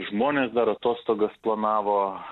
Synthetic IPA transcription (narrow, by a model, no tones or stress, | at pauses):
ʒmoːnʲeːsd̪ɐɾɐt̪oːst̪oːɡɐsplˠɐnɑːʋoː